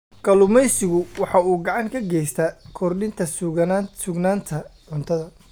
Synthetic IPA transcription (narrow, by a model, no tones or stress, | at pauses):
ɡ̥ɐlʊmɛjsɪɣʊwɑħɑuːɡɑʕɑŋkʰɐɡɛjst̪ʰɐkʰɔrɗɪnt̪ʰɐsʊɡsʊɡnaːnt̪ʰɐʕʊnt̪ʰɐðɐ